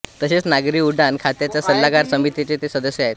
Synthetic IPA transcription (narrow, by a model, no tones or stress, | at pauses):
t̪əɕet͡snaɡɾiːuɖankʰat̪jat͡ɕjasəlːaɡaɾsəmit̪it͡ɕet̪esəd̪əɕjəaɦet̪